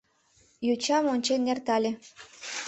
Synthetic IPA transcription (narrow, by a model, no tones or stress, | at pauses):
jut͡ɕɑmonʲt͡ɕenʲːert̪ɑlʲĕ